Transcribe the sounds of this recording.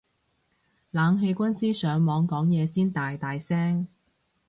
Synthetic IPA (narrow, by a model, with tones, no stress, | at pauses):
laː˨˧ŋɦe˧jkʷɐ˥nsiː˥sœː˨˧ŋmɔː˨˧ŋkɔː˨˥ŋjɛː˨˧siː˥nt̪aː˨jt̪aː˨jsɛː˥ŋ